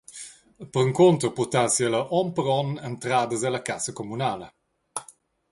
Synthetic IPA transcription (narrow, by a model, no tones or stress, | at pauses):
əpəɾəŋkont̪ɾopurt̪asiələʔɔmpəɾɔnɛnt̪ɾaːd̪əzalɐkasəkomunaːlə